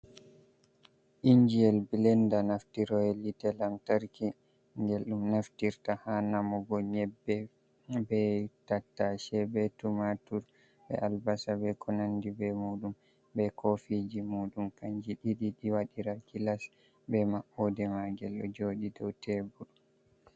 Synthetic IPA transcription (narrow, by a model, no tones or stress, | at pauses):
ʔiɲd͡ʒijɛlbilɛndanaftiɾɔɛlitɛlamtaɾki | ŋɡɛlɗumnaftiɾtahanamɔɡɔɲɛbːɛ | bɛtatːaʃɛbɛtumatuɾ | bɛ̰ʔalbasabɛkʰɔnandibɛmuːɗum | bɛkʰofid͡ʒimuːɗumkaɲd͡ʒiɗiɗiɗiwaɗiɾakilas | bɛmaʔɔdɛmaɡɛlɔd͡ʒoːɗidɔwtʰɛbul